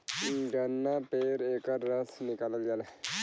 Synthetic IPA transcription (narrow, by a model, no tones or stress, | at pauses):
ɡɐnːapeɾekaɾəsnikaːləljala